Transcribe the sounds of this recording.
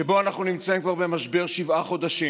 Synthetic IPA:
ebo̞anaχnunimt͡saimkvaʁbe̞maʃbe̞ʁʃivaχo̞d̪aʃi

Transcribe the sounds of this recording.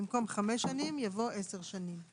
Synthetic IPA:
imko̞mχameʃanimjavo̞ʔeseʁʃanim

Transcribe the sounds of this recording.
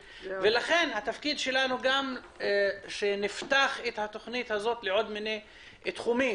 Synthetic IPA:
velaχe̞nhat̪afkid̪ʃe̞lanuɡam | ʃenift̪aχet̪hat̪o̞χnit̪hazo̞t̪leʕo̞d̪mine | t̪χumi

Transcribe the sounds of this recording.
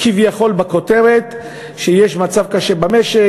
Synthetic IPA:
kivjaχo̞lbako̞teʁet̪ | ʃejeʃmat͡savkaʃebameʃe

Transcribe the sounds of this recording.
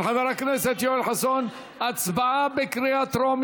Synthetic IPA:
ħaðaɾˤakneset̪joelħason | ʔat͡sbaʕabekɾeat̪ɾom

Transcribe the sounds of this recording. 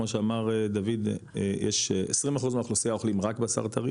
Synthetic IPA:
moʃeamaʁed̪avid̪̰jeʃesʁimaχuzmeaχlosiaoχlimʁakbasa̰ʁt̪aʁi

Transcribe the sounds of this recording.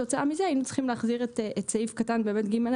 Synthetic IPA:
ot͡saamizeainut͡sl̥χimleːχziʁeteetseifkatanbeːmetɡimel

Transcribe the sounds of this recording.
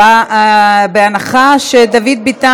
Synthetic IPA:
a | beanaχaʃed̪avid̪̚bit̪a

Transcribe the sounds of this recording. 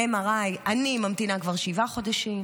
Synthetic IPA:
emaʁajʔanimamt̪inakvaʁʃivaχo̞daʃim

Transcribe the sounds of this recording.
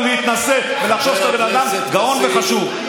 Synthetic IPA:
leit̪nase | ve̞laχʃo̞vt̪abe̞nad̪am | ɡao̞nveχaʃuv

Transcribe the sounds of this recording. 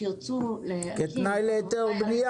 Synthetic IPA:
it͡suleket̪najleːt̪eʁd̪nija

